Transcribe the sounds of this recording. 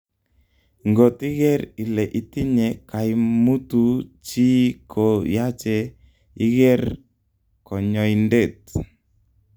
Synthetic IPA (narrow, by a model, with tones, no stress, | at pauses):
ŋɡo˨t̪i˦ɣɛ˦ɾi˨lɛ˨ʔi˨ti˦ɲɛ˨ka˨i˦mu˦tu˦t͡ʃi˦kʰo˨ja˦t͡ʃɛ˦ | i˦ɣɛ˦r | kɔ˨ɲɔ˨i˨nde˦˨t̚